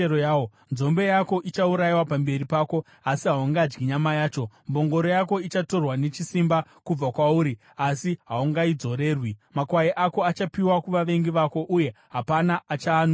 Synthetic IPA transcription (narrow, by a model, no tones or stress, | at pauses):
eojao | nzo̞mbe̞jako̞ʔit͡ʃauɾajiwapambe̞ɾipaːko̞ | asiɦauŋɡad͡ʒɡiɲamajaːt͡ʃo̞mbo̞ŋɡo̞ɾo̞jako̞it͡ʃato̞rwane̞t͡ʃisimbakub͡vakwauːɾi | asiɦauŋɡaid͡zo̞ɾe̞ːrwimakwajiʔako̞at͡ʃapiwakuʋaʋe̞ŋɡiʋako̞ʔuje̞ɦapanaːt͡ʃaːn